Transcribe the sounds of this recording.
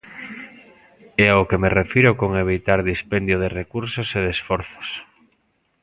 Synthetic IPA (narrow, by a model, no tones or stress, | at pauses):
ɛaokemerefiɾʊkoŋeβ̞it̪aɾðispend̪joðerekuɾsoseð̞esfoɾθo̥s